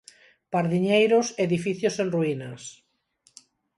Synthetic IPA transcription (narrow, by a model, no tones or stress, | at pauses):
paɾðiɲejɾʊseðifiθjosenruinɐs